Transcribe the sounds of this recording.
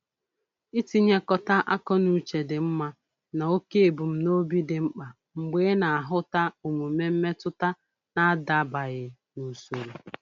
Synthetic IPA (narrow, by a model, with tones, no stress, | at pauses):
i˦ti˦ɲe˦kɔ˦ta˦ʔa˦kɔ˦nu˨t͡ʃe˨dɪ˨m̩˦ma˦ | na˨o˦ke˦˨bu˨m̩˦no˦bi˦dɪ˨ŋ͡m̩˦k͡pa˨ | ŋ͡m̩˨ɡ͡beː˦na˨a˨ɦʊ˦ta˦u˨mu˨me˦m̩˦me˦tʊ˦ta˦ | na˦a˦da˨ba˨ɣɪ˨ | nu˨so˨ɾu˨